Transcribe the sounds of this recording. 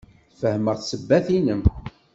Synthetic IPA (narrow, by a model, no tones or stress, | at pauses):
θfəhməʁθsəbːæθinəm